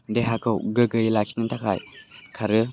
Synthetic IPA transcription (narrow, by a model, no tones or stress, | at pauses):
deɦakʰɯwɡɯɡɯjilakʰi̥tnɯntʰakʰa̰jkʰaɾɯ